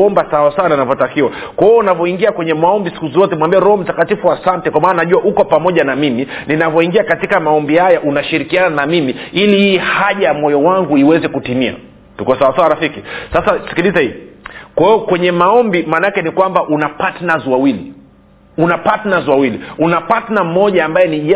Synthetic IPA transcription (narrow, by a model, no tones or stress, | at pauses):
ɔmbasawasawanainavɔtakiwa | kwaɔunavɔiŋɡiakwɛɲɛmaɔmbisi̥kuzɔtɛmwambiɛɾɔhɔm̩takatifuasantɛkwamaːnanaʄuahukɔpamɔʄanamimininavjɔiŋɡiakatikamaɔmbihajaʔunaʃiɾikiananamimiilihiːhaʄajamɔjɔwaŋɡuiwɛzɛkutimia̰ | tukasawasawaɾafikisasasi̥kilizahikwaiɔkwɛɲɛmaɔmbimaːnaakɛnikwambaʔunapatnazwawili | unapatnazwawiliunapatnam̩ːɔʄaːmbajɛniʄ